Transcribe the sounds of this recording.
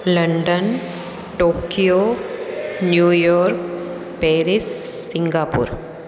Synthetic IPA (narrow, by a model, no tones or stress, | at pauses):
lɐɳɖɐn | ʈoːkijoː | njuːjoːɾk | peːɾissːɪŋɡaːpṵːɾ